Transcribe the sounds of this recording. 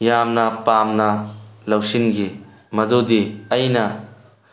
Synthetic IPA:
jamnɐpaːmnɐlɐwsinɡi | mɐd̪ud̪iɐjnɐ

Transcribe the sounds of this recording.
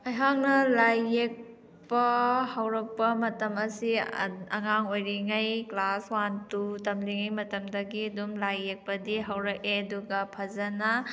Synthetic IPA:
ɐjɦaŋnɐlajːek̚ | pɐhɐwɾɐk̚pɐmɐtɐmɐsiɐŋaŋojɾiŋajklaswantutɐmliŋajmɐtɐmdɐɡiɐdumlajːek̚pɐdiɦɐwɾɐkeɐduɡɐpʰɐzɐnɐ

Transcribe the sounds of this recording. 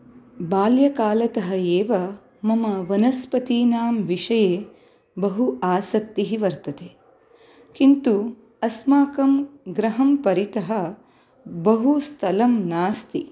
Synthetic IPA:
baːljɐkaːlɐt̪ɐɦɐjeːʋɐ | mɐmɐʋɐnɐspɐt̪iːnaːmʋiʂɐjeː | bɐɦuaːsɐk̚t̪iɦiʋɐɾt̪ɐt̪e | kint̪u | ɐsmaːkɐmɡɾɐɦɐmpɐɾit̪ɐɦɐ | bɐɦust̪ʰɐlɐmnaːst̪i

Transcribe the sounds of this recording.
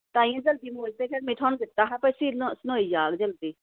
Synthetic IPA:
t̪ãːĩːãːd͡ʒəld̪iːmoːd͡ʒd̪eːkʰɛːɾmɪ̃ʈʰɔːnɡ̪ɪt̪ːaːɦapəsiːsnoːiːd͡ʒaːɡd͡ʒəld̪iː

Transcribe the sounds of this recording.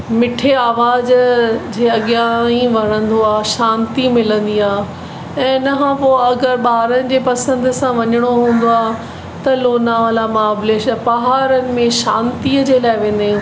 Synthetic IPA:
mɪʈʰeaːʋaːzd͡ʑeːɐɠijaĩʋɐɽ̃ə̃nd̪oaːʃãːnt̪imɪlə̃nd̪iaː | ɛ̃ːɪnɐɦãpoːɐɡəɾɓaːɾənɪ̆d͡ʑeːpɐsə̃nd̪ʊsãʋɐɲəɽ̃oɦũːn̆d̪oaːɦ | t̪ɐloːnaʋaːlamaːbleʃpɐɦaːɾənɪ̆mẽʃãːnt̪iəd͡ʑeːlaːɪʋẽːnd̪e

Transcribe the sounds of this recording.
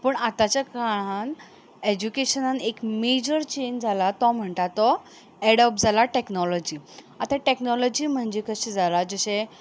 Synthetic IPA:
pəɳat̪at͡ɕjakaɭ̃an | ed͡ʑukeɕənanekmed͡ʑəɾt͡ɕend͡zʱalat̪ɔm̤əɳt̪at̪ɔ | ɛɽəp̚d͡zʱalaʈeknɔlɔd͡ʑiː | at̪ãʈeknɔlɔd͡ʑiːm̤əɳd͡ʑekəɕẽd͡zʱalad͡zəɕẽ

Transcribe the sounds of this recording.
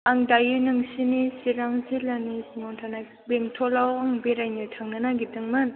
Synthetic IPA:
ʔaŋd̪ajɯnɯŋsinisiɾaŋzilanisŋontʰana | beŋt̪ʰolawaŋbeɾanɯtʰaŋnanaɡit̪ɯŋmɯn

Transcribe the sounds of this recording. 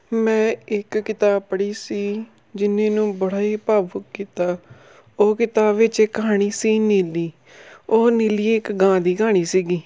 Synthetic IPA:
mɛ̃ːɪkːɪt̪aːpəɽiːsiː | d͡ʒɪnẽːnũːbəɽaːiːpaːbʊkkiːt̪aː | oːkɪt̪aːʋɪt͡ʃekːəɦaːɽ̃iːsiːniːliː | oːniːliːɪkɡãːd̪iːkaːɽ̃iːsiːɡiː

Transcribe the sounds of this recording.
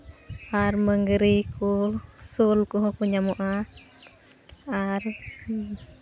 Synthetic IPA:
arməŋɡəɾikusulkuɦɔkuɲamuʔa | ar

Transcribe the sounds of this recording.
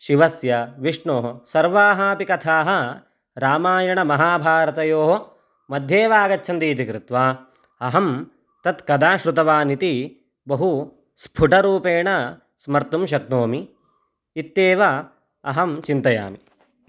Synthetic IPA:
ʃiʋɐsjɐʋiʂɳoːɦɐsɐɾʋaːɦaːpikɐt̪ʰaːɦɐ | ɾaːmaːjɐɳɐmɐɦaːbʱaːɾɐt̪ɐjoːɦo | mɐd̪ʱjeːʋaːɡɐtːt͡ʃʰɐnd̪iːt̪̬ikɾɪt̪ʋaː | ɐɦɐm | t̪ɐt̪kɐd̪aːʃɾut̪ɐʋaːnit̪i | bɐɦu | spʰuʈɐɾuːpeːɳɐ | smɐɾt̪umʃ̬ɐk̚noːmi | it̪ːeːʋɐ | ɐɦɐmt͡ʃint̪ɐja̰ːmi

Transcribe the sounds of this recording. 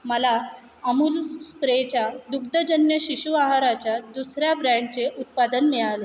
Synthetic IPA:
məla | əmuːlskɾet͡ɕjad̪uɡd̪əd͡ʑənjəɕiɕuaɦaɾat͡ɕjad̪usɾjabɾaɳɖ̚t͡seʔut̪̚pad̪ənmiɭale

